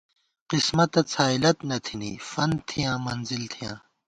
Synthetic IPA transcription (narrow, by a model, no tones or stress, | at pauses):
qismɐt̪ɐt͡sʰaːilɐt̪nɐt̪ʰinḭfɐnt̪ʰijãːmɐnzilt̪ʰijã̰ː